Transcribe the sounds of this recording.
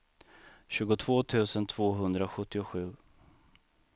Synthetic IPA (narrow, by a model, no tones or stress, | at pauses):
ɕʉ̟ːɡʊt̪ʰv̥oːt̪ʰʉ̟ːsənt̪ʰv̥oːɦɵnd̪ɾaɧɵt̪ːɪʊɧʉ̟ː